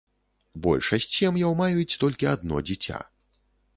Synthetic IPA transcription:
bɔ̰lʲʂɐsʲt͡sʲjɛmjawmajut͡sʲt̪ɔlʲkʲiad̪nɔ̰d͡zʲit͡sʲa̰

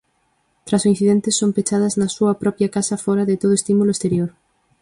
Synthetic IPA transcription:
t̪ɾɐsoin̟θiðent̪ɪsːompet͡ʃað̞ɐznɐsuɐpɾɔpjɐkasɐfɔɾɐðet̪oðʊest̪imulʊest̪eɾjoɾ

